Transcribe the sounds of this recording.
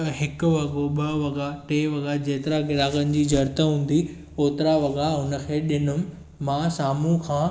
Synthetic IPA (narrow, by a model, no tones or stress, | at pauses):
ɦɪkʊ̆ʋɐɡoɓɐʋɐɡaʈeːʋɐɡad͡ʑeːt̪ɪɾaɡɪɾaːɡənɪ̆d͡ʑiːd͡ʑʱɐɾt̪əɦũːn̆d̪i | oːt̪ɪɾaʋɐɡaɦʊnə̆kʰeːɗɪnʊm̆ | mãːsaːmũkʰãː